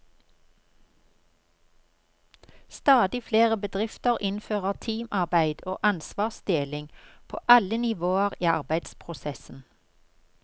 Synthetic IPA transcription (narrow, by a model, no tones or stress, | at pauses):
st̪ɑːd̪ɪfleːʁəbəd̪ʁɪft̪əʁʔɪnføːʁət̪ʰiːmʔɑʁbæɪd̪o̰ːʔɑnsʋɑːʁsd̪̥eːlɪŋpʰo̰ːʔɑlənɪʋoːəʁiːɑ̰ʁbæɪd̪spʰʁʊsɛsn̩